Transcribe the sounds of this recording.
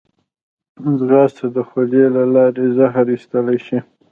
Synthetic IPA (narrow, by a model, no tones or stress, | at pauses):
zɣɑst̪ad̪əxolelalɑɾezaɦɾist̪əlajʃi